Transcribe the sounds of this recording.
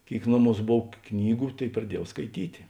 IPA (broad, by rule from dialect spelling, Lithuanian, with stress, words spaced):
ˈkʲeːɪk ˈnoːˌmuːs ˈboːw ˈknʲiːɡʊ ˈtʲeːɪk prɐˈdʲiɛjɛʊ skɐɪˈtʲiːtʲɪ